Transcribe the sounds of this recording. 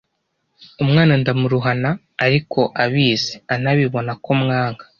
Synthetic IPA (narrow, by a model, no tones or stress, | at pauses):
umŋaːnandamuɾuɦanaː | ɾikʰo̞ʔaβiːzeanaβiβo̞nako̞mŋaːŋɡḁ